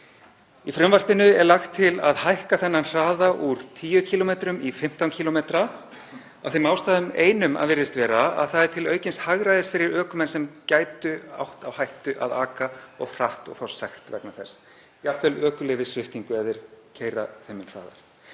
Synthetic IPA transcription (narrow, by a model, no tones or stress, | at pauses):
ifɾœmvar̥pɪnʏɛɾlaxt̪ʰːɪlaðhajhkaθɛnːanr̥aːðaʔuɾ̥t̪ʰiːjʏcʰiːlomejt̪ɾʏmifɪm̥t̪awncʰilɔmejt̪ɾa | a̰fθemawst̪aːðʏmeːjnʏma̰ðvɪɾðɪst̪vɛːɾaa̰ðθaðɛɾ̥t̪ʰɪlœɥcɪnshaɣɾajðɪsfɪɾɪɾœːkʏmɛnsɛmcaːjt̪ʏa̰wht̪awhajht̪ʏʔa̰ðaːkaɔ̰ɣr̥aht̪ɔ̰ɣfawssajxt̪vɛ̰knaθɛs | jakʰvɛlœːkʏlɛːvɪsvɪft̪iŋkʏɛvðɪɾ̥cʰejɾa̰θemɪnr̥a̰ːða̰ɾ̥